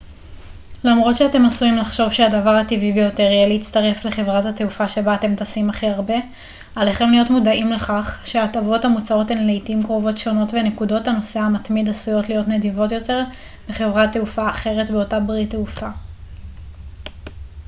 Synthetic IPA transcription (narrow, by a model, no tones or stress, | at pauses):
lamʁo̞tʃeate̞masuimlaχʃo̞vʃeadavaʁhativibejo̞te̞ʁjɛleit͡staʁe̞fle̞χe̞vʁathateufaʃe̞baːte̞mtasimaχiaʁbe̞ | ale̞χe̞mlijo̞tmudaimle̞χaχʃeatavo̞thamut͡sao̞tenlejtiimkʁovo̞tʃo̞no̞tvene̞kudo̞thano̞seamatmid̪asujo̞tlijo̞tne̞divo̞tjo̞te̞ʁ | beχe̞vʁateufaːχe̞ʁe̞tbeo̞tabʁiteufa